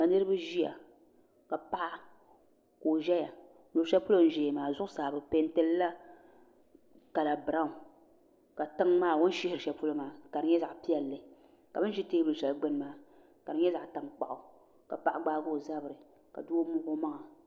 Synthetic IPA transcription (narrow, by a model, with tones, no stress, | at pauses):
a˨nɨ˦ɾɨ˦ba˦ʒi˦a̰˨ | ka˨pa˦ʔa˦ | koː˨ʒɛ˦ja˨ | nu˨ɾʃɛ˦pu˦lo˦n̩˦ʒeː˨maː˨zʊ˦ʔʊ˦saː˨bɨ˨pe˦n˦tɛ˦lla˦ | ka˨la˨bɾa˦˨ | ka˨tɨ˦ŋmaː˦˨wo˦n˦ʃɪ˦hɪ˨ɾɨ˨ʃɛ˨pu˦lo˦maː˨ka˨dɨ˦ɲɛ˦za˨ʔpi˦ɛ˨lːɨ˨ | ka˨bɨ˦n˦ʒi˦teː˦bu˨lʃɛ˨lɡ͡bɨ˦n˦maː˨˦ | ka˨dɨ˦ɲɛ˦za˨ʔtɨ˨ŋk͡pa̰˨ʔʊ˨ | ka˨pa˨ʔɡ͡baː˦ɡo˦˨za˦bɨ˨ɾɨ˨ | ka̰˨du˦o˦mʊ˦ho˦ma˦ŋa˨